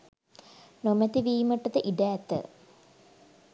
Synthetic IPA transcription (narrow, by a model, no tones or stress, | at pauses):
nomɛt̪iʋiːməʈːɐt̪əʔiɖæːt̪ːə̰